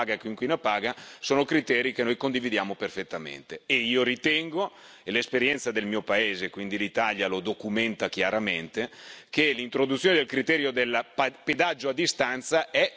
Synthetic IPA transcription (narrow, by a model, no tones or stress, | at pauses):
ɡakiŋkwinapaːɡasoːnokɾit̪ɛːɾikenːojkond̪ivid̪jaːmoperfet̪ːamḛnt̪eeiːoɾit̪ɛŋɡo | elespeɾjɛnt̪sad̪elmiːopaeːzekwind̪ilit̪aljalod̪okumɛnt̪akjaɾament̪ekelint̪ɾod̪ut̪sjoned̪elkɾit̪ɛːɾjod̪elːpped̪ad͡ʒːoad̪ːist̪ant̪saʔɛ